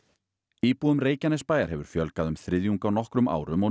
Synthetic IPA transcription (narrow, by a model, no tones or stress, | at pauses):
iːpuʏmreːjcanɛspaːjaɾ̥hɛvʏɾ̥fjœlkaðʏmθɾɪðjuŋkawnɔhkɾʏma̰ːwɾʏmɔ